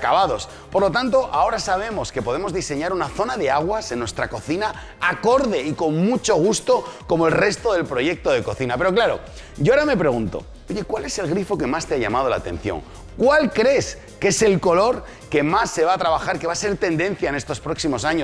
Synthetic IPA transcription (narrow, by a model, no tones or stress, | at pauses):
kaβaðo̞s | po̞ɾlo̞t̪ant̪̬o̞ʔao̞ɾasaβ̞e̞mo̞ske̞poðe̞mozðise̞ɲaɾunaθo̞naðe̞aɣ̞wase̞nːwe̞st̪ɾako̞θina | ako̞ɾðe̞iko̞ŋmut͡ʃo̞ɣ̞ust̪o̞ko̞moe̞lre̞st̪o̞ðe̞lpɾo̞ʝe̞k̚t̪o̞ð̞e̞ko̞θinape̞ɾo̞klaɾo̞̰ | ɟ͡ʝoaɾame̞pɾe̞ɣ̞unt̪o̞̰ | oʝe̞kwale̞se̞lɣɾifo̞ke̞mast̪eaʝa̰mað̞o̞la̰t̪ẽ̞̰n̟θjo̞̰ŋ | kwalkɾe̞s | ke̞se̞lko̞lo̞ɾ | ke̞masːe̞βaːt̪ɾaβaxaɾkeβase̞ɾt̪e̞nd̪ẽ̞nθjaene̞st̪o̞spɾo̞ksimo̞saɲo